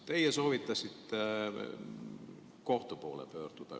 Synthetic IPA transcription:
t̪e̞jeso̞ːvit̪ːˑɑsʲit̪ːe | ko̞ht̪upo̞̰ːlḛpø̞ːrd̪̥ud̪̥ɑ̰

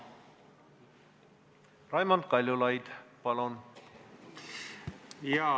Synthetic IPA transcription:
rɑjmɑnd̪̚kɑlʲjulɑjd̪pɑlon | jɑ

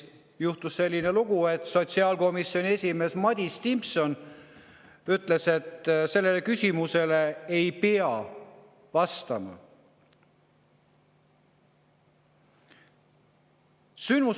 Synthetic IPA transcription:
juht̪usːe̞lʲːineluɡ̥ue̞t̪so̞t̪siɑːlko̞misio̞nʲie̞sʲime̞ːsmɑd̪̥ʲist̪impso̞n | yt̪ˑle̞se̞t̪ːse̞lːe̞le̞kysʲimuse̞le̞ejpeɑ | vɑst̪ɑmɑ̰ | synmu

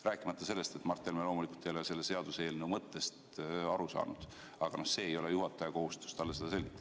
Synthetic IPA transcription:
ræːkːˑimɑt̪ːɑse̞lːe̞st̪e̞t̪mɑrt̪ːˑelmelo̞ːmulikːult̪ːejlese̞lːese̞ɑd̪̥use̞ːlnumɤt̪ːe̞st̪ | ɑɾusɑ̰ːnud̪̥ | ɑɡ̥ɑno̞hse̞ːejo̞lejuɦɑt̪ːˑɑjɑko̞hust̪u̥st̪ɑlːese̞d̪ɑs̬e̞lʲɡ̥it̪ːˑɑ̥

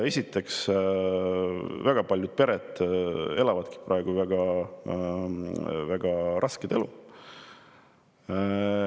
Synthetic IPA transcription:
e̞sʲit̪ːˑe̞ks | væɡ̥ɑpɑlʲjud̪̥̚pe̞ɾed̪ˑe̞lɑvɑd̪̥ki̥pɾɑeɡ̥uvæɡ̥ɑ | væɡ̥ɑɾɑsked̪̥e̞̰lu

